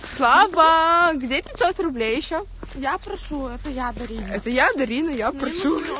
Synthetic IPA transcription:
slˠavəɡdʲepʲɪt̪ʲsot̪rʊblʲejɪɕːo | japɾɐʂuɛt̪əjad̪ɐɾʲinɛt̪əjad̪ɐɾʲinəjapɾɐʂu

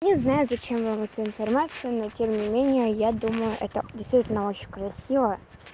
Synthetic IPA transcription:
nʲɪznajʊzɐt͡ɕemvɨlˠɛt̪səɪnfɐrmat̪sɨjənotʲemnʲɪmʲenʲɪjəjad̪uməjʊʔɛ̰t̪ədʲɪjst̪vʲitʲɪlʲnəo̞t͡ɕɪnʲkɾɐsʲivə

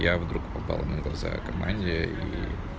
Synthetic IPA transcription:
javd̪ɾukpɐpa̰lˠnəɡlˠɐza̰kɐmanʲdʲɪjəi

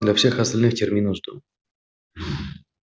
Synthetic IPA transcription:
d̪lʲafsʲe̞xɐst̪ɐlʲnɨxtʲɪrmʲinəʐd̪ṵ

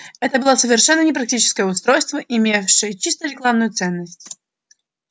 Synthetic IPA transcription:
ɛt̪əbɨlˠasəvʲɪrʂɛnːənʲɪpɾɐk̚tʲit͡ɕɪ̥skəjəʊst̪ɾojst̪vəʔɪmʲefʂɨjət͡ɕist̪əɾʲɪklˠavnʊjʊt̪sɛnːəsʲtʲ

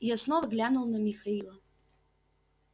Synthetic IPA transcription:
jasnovɐɡlʲanulˠnɐmʲixɐilˠɐ

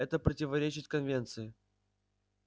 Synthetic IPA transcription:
ɛt̪əpɾətʲɪvɐɾʲet͡ɕɪt̪ʲkɐnvʲe̞nt̪sɨɪ

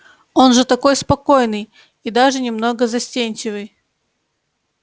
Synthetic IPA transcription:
o̞nʐɨt̪ɐko̞jspɐko̞jnɨj | id̪aʐɨnʲɪmno̞ɡəzɐsʲtʲenʲt͡ɕɪvɨj

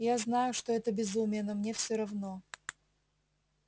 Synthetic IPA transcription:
jaznajʊʂt̪oɛt̪əbʲɪzumʲɪjənɐmnʲefsʲoɾɐvno̞

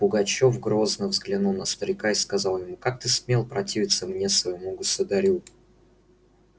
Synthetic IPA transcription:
pʊɡɐt͡ɕo̞fɡɾo̞znəvzɡlʲɪnulˠnəst̪əɾʲɪkaɪskɐzɑlˠjɪmukak̚t̪ɨsmʲelˠpɾɐtʲivʲɪt̪səmnʲe̞svəjɪmuɡəsʊd̪ɐɾʲu

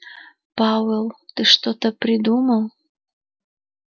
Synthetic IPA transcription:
pɑvelˠt̪ɨʂt̪ot̪əpɾʲɪd̪uməlˠ

